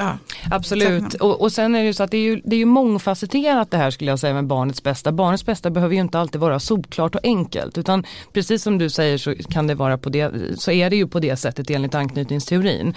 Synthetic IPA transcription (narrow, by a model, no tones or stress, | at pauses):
ʔabsɔlʉ̟ːtt̪ɔʔɔsɛnːæɾɛjɵsɔat̪̚d̪ɛæɾjɵd̪ɛæːjɵmɔŋːfasət̪ʰeːɾat̪̚d̪ɛɦæːʂkɵləjɑːsɛjːamɛbɑːɳət̪sbɛst̪abɑːɳət̪sbɛst̪abɛhɦøːvəɾjɵɪnt̪əalt̪id̪vɑːɾasuːpkʰlɑːʈɔʔɛŋkə̰lt̪ʉ̟ːt̪anpʰɾɛsiːsːɔmd̪ɵsɛjːəʂɔkʰand̪ɛvɑːɾapʰɔd̪ɛsɔæɖɛjɵpʰɔd̪ɛsɛt̪ːət̪eːnlɪt̪ankʰnyːt̪nɪŋst̪ʰɛʊɾḭːn